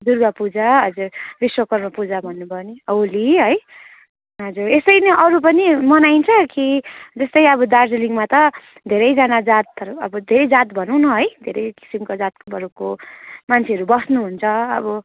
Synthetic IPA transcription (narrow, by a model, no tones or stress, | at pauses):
d̪urɡʌpud͡zaɦʌd͡zurbiswʌkʌrmapud͡zabʱʌnːubʱʌniʌwliɦʌj | ɦʌd͡zuɾest̪ʌjnʌʔʌɾupʌnimʌnajnt͡sʰʌkid͡zʌst̪ʌjʌbʌd̪ard͡zeliŋmat̪ʌ | d̪ʱeɾʌjd͡zʌnad͡zat̪ʌɾʌ̰bʌd̪ʱeɾʌjd͡zat̪bʱʌnuw̃nʌɦʌjd̪ʱeɾʌjki̥simkod͡zat̪̚kbʌɾukomant͡sʰeʌɾubʌsnuɦunt͡sʰʌʌ̰bʌ